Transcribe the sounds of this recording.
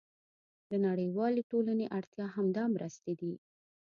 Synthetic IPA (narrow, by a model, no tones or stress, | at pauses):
d̪ənaɽəjwɑleʈolaneʔaɽt̪jɑɦamd̪ɑmɾʔəst̪ed̪i